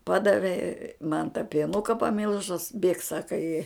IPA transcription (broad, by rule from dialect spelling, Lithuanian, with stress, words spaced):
ˈpɑːdɐʋʲɛ mɐn tɑː pʲiɛˈnʊkɐ pɐˈmʲɪlˠʒʊs bʲeːk ˈsɑːkɐ ɪ